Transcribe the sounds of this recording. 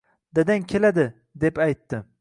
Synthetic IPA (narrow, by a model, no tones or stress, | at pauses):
d̪ad̪ankʲʰelad̪ɪ | d̪e̞pajt̪ːɪ